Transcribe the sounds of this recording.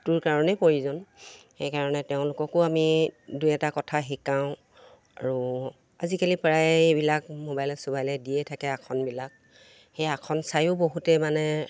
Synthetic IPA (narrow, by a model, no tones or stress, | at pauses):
tʊɹkaɹɔnɛpoɹizɔnxejkaɹɔnɛteʊ̃lʊkɔkʊamidujɛtakɔtʰaɦikãʊ̃ | a̰ɹu | azikalipɹajebilakmobajlɛsobajlɛdiɛtʰakɛakʰɔnbilak̚ | xejakʰɔnsajʊboɦutɛmanɛ